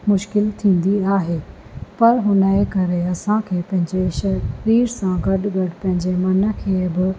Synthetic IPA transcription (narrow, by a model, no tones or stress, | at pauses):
mʊʃkɪlt̪ʰĩːn̆d̪iaːɦeː | pɐɾɦʊnəekɐɾeɐsãkʰeːpɐ̃ɦɪ̃ɲd͡ʑeʃɐɾiːɾsãɡɐɗɡɐɖpɐ̃ɦɪ̃ɲd͡ʑemɐnə̆kʰeːbɪ